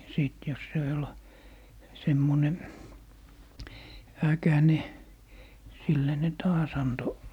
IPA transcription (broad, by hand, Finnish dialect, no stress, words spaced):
siˑt jos se ol semːone ækæne silːæ ne tɑːs ɑnto